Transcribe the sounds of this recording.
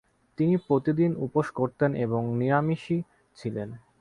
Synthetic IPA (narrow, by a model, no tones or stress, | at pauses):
t̪inipɾot̪id̪inupoʃkoɾt̪eneboŋnijamiʃi | t͡ɕʰilen